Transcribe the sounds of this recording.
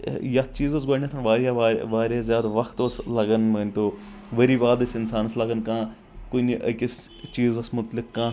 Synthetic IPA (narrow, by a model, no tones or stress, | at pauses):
jat͡ʃiːzɐsɡoːɳʲat̪ʰɐnʋaːɾjaʋaʋaːɾazʲjaːd̪aʋɐkʰt̪oslɐɡənmɐnʲt̪oː | ʋɐɾiːʋaːd̪ɐsɪnsaːnslɐɡənkãː | koniʔɐ̰kʲɪs | t͡ʃiːzɐsmʊt̪lɪkːãː